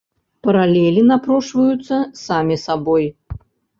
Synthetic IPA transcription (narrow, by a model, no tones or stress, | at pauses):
pɐɾalʲɛlʲinapɾɔʂvɐjut̪sːɐsamʲisabɔj